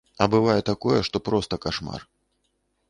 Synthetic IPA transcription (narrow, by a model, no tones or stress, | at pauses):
ɐbɨvajɛt̪akɔjɛʂt̪ɔpɾɔst̪ɐkaʂma̰r